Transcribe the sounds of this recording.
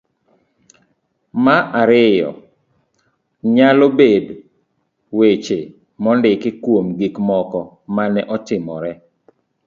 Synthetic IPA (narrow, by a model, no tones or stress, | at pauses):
maʔaɾɪjɔ̰ | ɲalobed | wet͡ʃe | mɔndɪkɪkwomɡikmɔkɔ | manɛʔɔtɪmɔɾɛ